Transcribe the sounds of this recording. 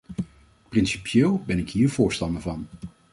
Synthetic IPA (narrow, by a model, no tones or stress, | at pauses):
prɪnsi̥pjeːlˠbɛnɪkɦiːɹv̥ʊːɹstɑndəɹvɑn